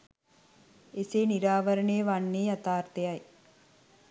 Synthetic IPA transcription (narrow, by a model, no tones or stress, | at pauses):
eseːniɾaːʋəɾəɳejːʋanːeːat̪aːrt̪ejaj